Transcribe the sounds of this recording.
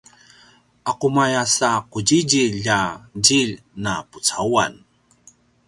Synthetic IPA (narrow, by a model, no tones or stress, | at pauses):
ʔaqumajasaqud͡ʑid͡ʑiʎad͡ʑiʎ | naput͡saua̰n